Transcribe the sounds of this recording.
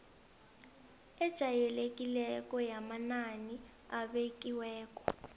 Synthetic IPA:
ɛd̥ʒ̥ʱajɛlek̬ʼilɛkʼɔjamanani | aɓekʼiwɛːk̬ʼɔ̥

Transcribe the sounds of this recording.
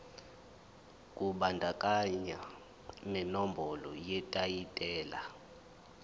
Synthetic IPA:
kʼuɓandʱakʼaɲa | mɛnɔmbʱɔlɔ̰jɛtʼajitʼɛːla

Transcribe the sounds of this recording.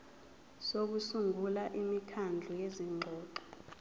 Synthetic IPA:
sok̬usuŋulaʔimikʰand͡ɮʱujeziŋ͡ǃʱɔːǃɔ̥

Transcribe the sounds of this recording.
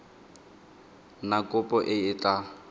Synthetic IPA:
nakʼʊpʼɔʔɪɪtʼa

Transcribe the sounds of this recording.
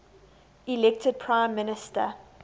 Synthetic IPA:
ilɛk̚tʰəd̚pʰɹãɪ̃mːɪnɪstə̰

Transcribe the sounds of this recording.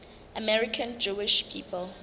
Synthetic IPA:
ʔamɛɹikʰãnd͡ʒuɪʃpʰiːpəl

